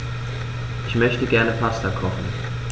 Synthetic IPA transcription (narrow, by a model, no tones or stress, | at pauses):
ʔɪçmœçtəɡɛɐnəpʰastakʰɔχn̩